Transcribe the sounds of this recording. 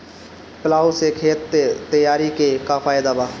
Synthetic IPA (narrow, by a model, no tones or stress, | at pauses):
pəlaːosekʰeːt̪ːəjaːɾikekaːfʰaːɪd̪aːbaː